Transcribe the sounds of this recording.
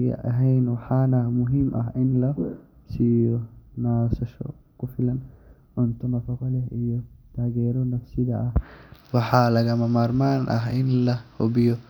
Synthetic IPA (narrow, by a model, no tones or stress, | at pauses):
ɡɐ̰ʔɐɦɛjnwɐħaːnɐmʊɦimʔɐɦɪnlɐ | siːjɔnaːsɐʃɔ̰ | kʊfɪlɐn | ʕʊnt̪ʊnɐfɔkɔlɛhɪjɔt̪aːɡɛːɾɔnɐfsɪd̪ɐʔɐhwɑħaːlɐɣɐmɐmaːɾmaːnʔɐɦɪnlɐhɔbɪjɔ